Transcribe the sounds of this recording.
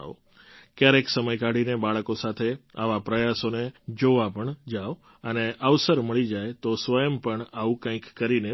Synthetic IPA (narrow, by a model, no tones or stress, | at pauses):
kjaɾeksəməjkaɽinebaɭkosat̪ʰea̰ʋapɾəjasoned͡ʒoʋapəɳd͡ʒaʋ | əneʔaʋsəɾməɭid͡ʒajt̪osʋəjəmpəɳaũkãĩkːəɾine